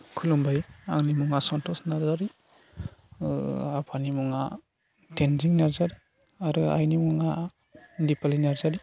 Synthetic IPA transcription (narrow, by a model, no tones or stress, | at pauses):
kʰulɔmbajaŋnimuŋasɔntɔsnaɾzaɾi | apʰanimuŋa | tenziŋnaɾzaɾi | aɾɯa̰jnimuŋa | dipalinaɾzaɾi